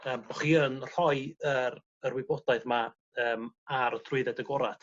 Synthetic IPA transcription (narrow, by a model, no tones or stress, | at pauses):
əːmbɔχiːənr̥ɔɨəɾ | ərwɪbɔdaɨðma | əːmaɾɔdrʊɨðɛdəɡɔɾatʰ